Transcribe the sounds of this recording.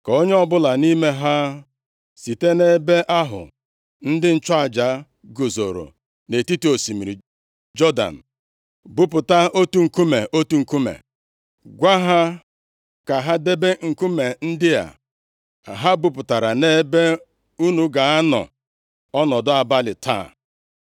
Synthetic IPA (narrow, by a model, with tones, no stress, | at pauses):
ka˨o˦ɲe˦ɔ˦bʊ˦la˨ni˦me˦ɦa˦ | si˨te˦ne˦be˦ʔa˦ɦʊ̰˨ | n̩˦dɪ˦n̩˦t͡ʃɔ˦a˨d͡ʒa˨˦ | ɡo˨zo̰˨ɾo̰˨ | ne˨ti˦ti˦o˨si˨mi˨ɾi˨ | d͡ʒɔ˦da̰˨n̩˨ | bu˦pʊ˨ta˦o˦tu˦ŋ̩˨ku˦me˨ʔo˦tu˨˦ŋ̩˨ku˦mḛ˨ | ɡʷa˦ɦa˦ | ka˨ɦa˦de˦be˦ŋ̩˨ku˦me˨n̩˦dɪ˦a̰˨ | ɦa˦bu˨pʊ˨ta˨ɾa˨ne˦be˦ | u˦nu˦ɡa˨a˦nɔ̰˨ | ɔ˦nɔ˨dʊ˦a˨ba˦lɪ˨tʰa̰˦˨